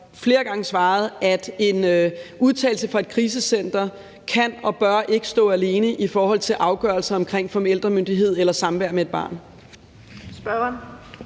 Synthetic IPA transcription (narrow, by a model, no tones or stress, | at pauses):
fle̝ːɐɡ̥ɑ̈ŋəsʋɑ̈ːð̞̩ˠæd̥e̝nøuð̞ˠt͡sʰɛ̰ɪl̩səfɑ̈e̝d̥̚kʰʁiːs̬əsen̰d̥ɐ | kʰænɒ̽b̥ɶɐʔe̝ɡ̥ə̥sd̥ɔ̰ːæle̝ːnəʔifɒːhɒ̽l̰t͡sʰe̝lʔɑ̈ʊɡ̥ɶɐlsɐɒ̽mkʰʁeŋ̰fɒ̽meld̥ʁɐmønd̥iɦe̝ð̰ˠelɐsɑ̈mʋæɐ̰mee̝d̥b̥ɑ̰̈ːn | sb̥ɶn